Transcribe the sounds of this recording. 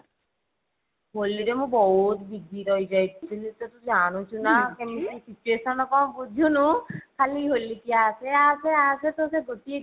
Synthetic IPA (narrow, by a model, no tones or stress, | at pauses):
boliɾemũbɔɦut̪biɡiɾɔid͡ʒajt̪t̪ʰilit̪ɔt̪ud͡ʒanũt͡ʃʰunakemesit͡ʃuesɔnɔkɔ̃bud̪ʱunukʰaliɦolikiaseaseaset̪ɔseɡot̪ie